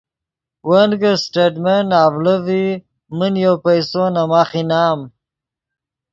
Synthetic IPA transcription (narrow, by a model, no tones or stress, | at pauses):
wanɡəsʈeɖmenaːvləvi | mənjowpajsonamaχinaːm